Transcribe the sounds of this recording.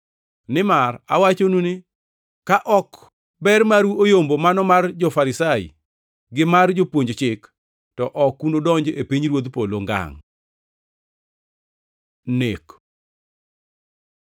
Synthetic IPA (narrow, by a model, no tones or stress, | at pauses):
nɪmara̰wat͡ʃonunɪ | kaʔɔk | bɛrmaɾuojombomanɔmard͡ʒɔfaɾɪsaḭ | ɡɪmard͡ʒopwoɲd͡ʒt͡ʃɪk | tɔʔɔkːunodɔɲd͡ʒepiɲɾwod̪poloŋɡa̰ŋ | nek